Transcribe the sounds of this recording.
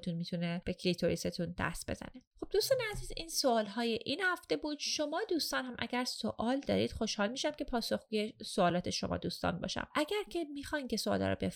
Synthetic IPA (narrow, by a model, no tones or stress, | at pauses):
t̪unmit̪ʰuneb̥ekʰɾit̪ʰoɾiset̪ʰund̪̥æ̰st̪̚be̞̰zæ̰neχob̚d̪uːst̪ɒːneæziːziːnsoɒːlɦɒːjeʔinhæft̪e̞buːd̪̥ʃo̞mɒːd̪uːst̪ɒːnhæmʔæ̰ɟæɾsoʔɒːld̪ɒ̰ːɾiːd̪̥χo̞ʃhɒːlmiːʃæmcʲe̞pʰɒːso̞xɡ̥uːje̞soɒːlɒːt̪ʰe̞ʃo̞̰mɒ̰ːd̪uːst̪ɒ̰ːnbɒ̰ːʃæ̰mʔæɟæɾcʰe̞mixɒːjnce̞soɒ̰ːlɒ̰ːɾɔ̰be̞f